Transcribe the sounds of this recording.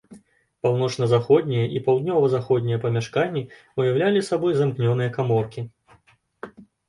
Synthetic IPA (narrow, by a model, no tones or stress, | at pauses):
pawnɔt͡ʂnɐzaxɔd̪ʲnʲijɐʔipawd̪ʲnʲɔvɐzaxɔd̪ʲnʲijɐpɐmʲaʂkanʲːi | ujawlʲalʲisabɔjzamknʲɔn̪ɨjɐkamɔrkʲi